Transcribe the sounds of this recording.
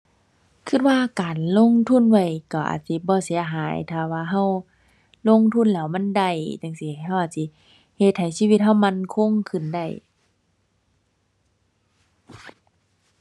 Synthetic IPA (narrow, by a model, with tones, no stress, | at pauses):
kʰɯ˧t̪̚waː˧˨kaː˨nlo˧˥˨ŋt̪ʰu˧˥˨nwa˧˩jkɔ˧˩ʔa̰ː˨˩t̪̚si˧˦bɔː˧˦si˨˦ɐ˦ɦaː˨˦jt̪ʰaː˧˩waː˧˨ɦa˧˩˨w | lo˧˥˨ŋt̪ʰu˧˥˨nlɛː˧˩˨wma˧˥˨nda˧˩jt͡ɕa˧˩ŋsi˧˨˩jɦa˧˨wʔaː˨˩t̪̚si˧˦ | he˧t̪̚ha˨˩˦jsiː˧˨wi˧t̪̚ha˧˨wma˧˨nkʰo˧˥˨ŋkʰɯ˧˩˨nda˧˩j